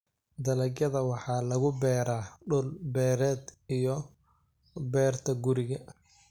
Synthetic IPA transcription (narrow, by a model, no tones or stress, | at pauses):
d̪ɐlɐɡɐðɐwɑħɑːlɐɣʊbɛːɾaːɖʊlbɛːɾɛːd̪ijɔ | bɛːrt̪ʰɐɡʊɾɪɣɐ